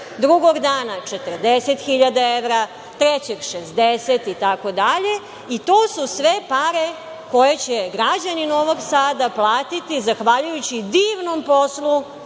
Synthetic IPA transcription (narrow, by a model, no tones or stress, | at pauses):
d̪ɾuɡoɡd̪aːnat͡ʃet̪ərɾd̪eset̪xiʎad̪aeʋɾa | t̪ɾet͡ɕeɡʃezd̪eset̪it̪ako̞d̪aʎe | it̪o̞ːsusʋe̞paɾe | ko̞jet͡ɕeɡɾad͡ʑanino̞ʋo̞ɡsaːd̪aplˠaːt̪it̪izaxʋaʎujut͡ɕid̪iːʋno̞mpo̞slu